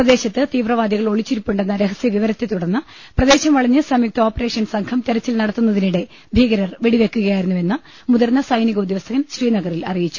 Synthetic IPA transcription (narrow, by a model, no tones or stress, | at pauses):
prɐd̪e̞ːɕɐt̪ːɨt̪iːʋrɐʋaːd̪jɐɣɐɭo̞ɭit͡ɕːuɾupːuɳɖe̞nːɐɾe̞ɦɐsjɐʋiʋɐɾɐt̪ːet̪uɽɐnːɨ | prɐd̪e̞ːɕɐmʋɐɭɐɲːɨsɐmik̚t̪o̞ːpːɐre̞ːʂɐnsɐŋkʰɐmt̪eɾɐt͡ɕːilnɐɽɐt̪ːunːɐðiniɽe̞ | bʱiːɣɐɾɐrʋeɽiʋe̞kːuɣɐjaːjiɾunːue̞nːɨ | muðɐrnːɐsɐjniɣɐud̪jʋɐst̪ʰɐɣɐnɕriːnɐɣɐrilɐ̰rijit͡ɕːu̥